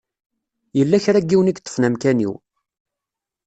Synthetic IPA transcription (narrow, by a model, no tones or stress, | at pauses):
jəlːæçɾæɡːiwnikt̪ːə̥fnæmkænḭw